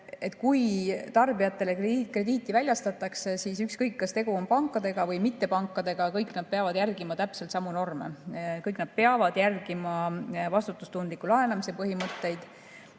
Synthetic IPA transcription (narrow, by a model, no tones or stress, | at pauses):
e̞t̪ːˑkujt̪ɑrbijɑt̪ːˑe̞le̞krekre̞d̪iːt̪ːˑivælʲjɑst̪ɑt̪ːˑɑksesisykskɤjkːɑst̪e̞ɡ̥uo̞mpɑŋkːˑɑd̪e̞ɡ̥ɑvɤjmit̪ːe̞pɑŋkːˑɑd̪e̞ɡ̥ɑkɤjknɑd̪̚peɑvɑd̪jærɡimɑt̪æpselt̪sɑmuno̞rme̞̰kɤjknɑd̪̥̚peɑvɑd̪̥jærɡ̥imɑvɑst̪ut̪ːˑust̪und̪likulɑe̞nɑmise̞pɤɦimɤt̪ːe̞jd̪̥